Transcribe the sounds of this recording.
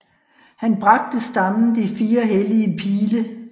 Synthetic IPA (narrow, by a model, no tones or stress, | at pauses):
hænb̥ʁɑ̈ɡ̥̚d̥əsd̥ɑ̈mn̩d̥ifiːɐɦeliəpʰiːlə